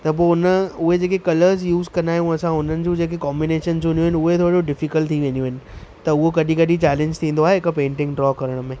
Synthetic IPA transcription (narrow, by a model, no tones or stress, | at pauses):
t̪ɐp̬oːʊnəʊɦed͡ʑeːkekɐləɾzjuːzkɐ̃nd̪aːjũɐsãʊn̤ənɪ̆d͡ʑũːd͡ʑeːk̬ekɔːmbɪneːʃənsʰõnjũɦɪnɪʊɦet̪ʰoːɾd͡ʑoɖɪfikəlʈt̪ʰiʋẽniũɦɪnɪ̆t̪ɐʊɦokɐɗĩkɐɗĩt͡ɕɛːlẽɲd͡ʑt̪ʰĩːnd̪oaːɦeɦɪkpẽːɳʈɪ̃ŋɡɖɾɔːkɐɾəɽ̃əmẽː